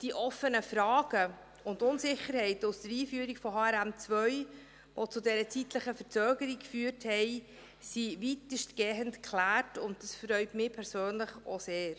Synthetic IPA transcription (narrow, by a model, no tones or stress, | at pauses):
d̥iʔɔfənəfɾɑːɡ̥ə | ʊndʊnsɪχəɾhɛɪtʊsd̥əɾiːfyːɾikfɔhɑːɛɾæmt͡svœʏ | ʋot͡sʊdɛɾət͡sitləχəfəɾt͡søːɡəɾikkfyːɾthɛɪ | sivitəʃtɡ̥ɛːɦəntkʰlæːrtʊnt̚d̥ɑsfɾœʏtmɪːpʰɛɾsøːnləχo̰seːɾ